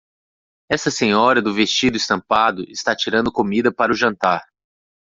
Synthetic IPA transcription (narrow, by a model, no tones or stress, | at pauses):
ɛst̪ɐsẽɲɔɾɐd̪ʊvest͡ʃid̪ʊɪst̪ɐ̃mpad̪ʊʔɪst̪at͡ʃiɾɐ̃nd̪ʊkomid̪ɐpaɾʊʒɐ̃nt̪aɾ